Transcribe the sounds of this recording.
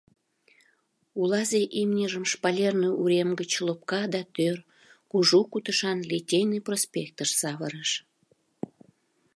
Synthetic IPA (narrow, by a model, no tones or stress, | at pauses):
ulɑzeʔimnʲəʒəmʃpɑlʲernoʔuɾemɡət͡ɕlop̚kɑd̪ɑt̪ør | kuʒukut̪əʃɑnlʲitʲejniprospʲek̚t̪əʃsɑβəɾəʃ